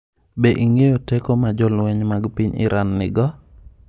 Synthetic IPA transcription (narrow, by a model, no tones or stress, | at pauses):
beʔiŋejotɛkomad͡ʒɔlwɛɲmaɡpiɲɪ̰ɾanːɪɡɔ